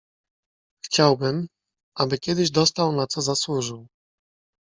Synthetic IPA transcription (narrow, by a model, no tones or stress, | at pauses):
xt͡ɕawbɘm | ʔabɘkʲɛd̪ɘʑd̪ɔst̪awnat̪sɔzaswuʐɘw